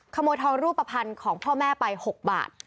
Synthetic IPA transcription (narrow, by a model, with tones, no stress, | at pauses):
kʰa˧moː˧jt̪ʰɔː˧ŋɾuː˥˩pːa˧pʰa˧nkʰɔː˩˦ŋpʰɔː˥˩mɛː˥˩pa˧jho˨˩k̚ba̰ː˨˩t̪̚